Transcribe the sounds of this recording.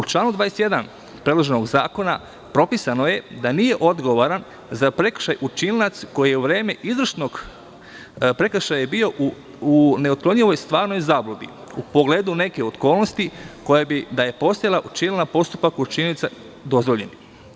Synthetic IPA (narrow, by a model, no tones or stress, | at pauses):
ut͡ʃlˠaːnud̪ʋaːjesʲt̪jed̪an | pɾed̪loʒenoɡza̰ːko̞na | pɾo̞pisanoje̞d̪aniːjeʔo̞d̪ɡo̞ʋaɾan | zapɾe̞kr̥ʃajut͡ʃillat̪sko̞jijeuʋɾe̞ːmeʔizʋɾr̩ʃnoɡ | pɾe̞kʃajabio̞ | une̞ot̪̚klo̞ɲiʋo̞jst̪ʋaːɾno̞jzaːblˠobḭ | upo̞ɡle̞ːd̪une̞ke̞ot̪ko̞ːlˠno̞st̪iko̞jabid̪aje̞po̞st̪ajalˠaʔut͡ʃinlnapo̞st̪upakut͡ʃinit̪sa | d̪o̞zʋo̞ʎeni